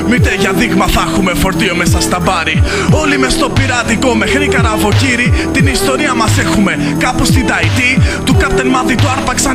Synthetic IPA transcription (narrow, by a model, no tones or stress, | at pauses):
mit̪eʝɐðiɣmɐθɐxume̞fo̞ɾt̪io̞mesɐst̪ɐbɐɾi | o̞limest̪o̞piɾɐt̪iko̞me̞xɾikɐɾɐvo̞ciɾit̪inist̪o̞ɾiɐmɐsexume̞ | kɐpost̪id̪ɐit̪it̪ukɐpt̪enmɐðit̪uɐɾpɐksɐ